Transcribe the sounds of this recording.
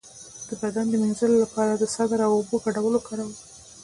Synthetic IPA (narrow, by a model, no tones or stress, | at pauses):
d̪̥əbad̪and̪əmenzəlolapɑɾad̪əsɑd̪aɾawoboɡaɽawəlokʰɑɾawə